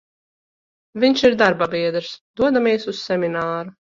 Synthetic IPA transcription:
vʲiɲʲʃiɾd̪aɾbabʲiɛd̪ɾsd̪̥uɔd̪amʲiɛsussːɛmʲinaːɾu

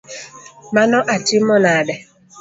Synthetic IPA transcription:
manɔʔatimɔnadɛ

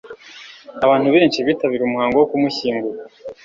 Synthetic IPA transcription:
aβaːn̥huβe̞ːnʃiβitaβiɾumuhaːŋɡowokumuçiːŋɡuɾa

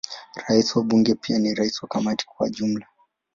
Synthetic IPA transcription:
ɾaisiwaɓuŋɡɛpianiɾaisiwakamati̥k̚wa̰ʄum̩la

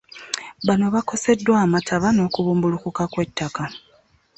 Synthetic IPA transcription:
βano̞βako̞se̞dːwaːmatʰaβano̞ːkuβuːmbulukukakwe̞tːaka

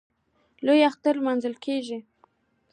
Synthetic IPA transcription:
lojaxt̪aɾlmanzəlkʰeʒi

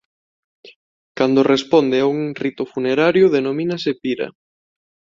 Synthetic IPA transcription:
kand̪ʊrespɔnd̪ɪauŋrit̪ʊfuneɾaɾjʊðenomĩnasepiɾɐ̰

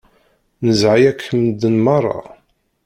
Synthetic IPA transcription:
nəzʕajækʰːəmd̪ənmɑrˤːɑ̰

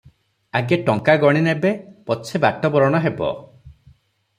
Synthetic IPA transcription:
aɡeʈɔŋkaɡɔɽ̃inebepɔt͡ʃʰebaʈɔbɔɾɔɽ̃ɔɦebɔ̰

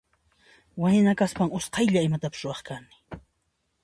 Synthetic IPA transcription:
waɲnakaspaŋʊsqɑjʎaɪmat̪apɪ̥sɾʊɑχkanɪ̥

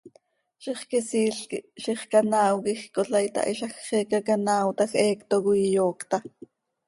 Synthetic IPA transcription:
ʃiχkɛsiːɬiʃiχkanaːwkixkoɬɑjt̪ɑ̰ʔiʃɑxχɛːkakanaːwt̪ɑxʔɛːkt̪oɣujjoːkt̪ɑ

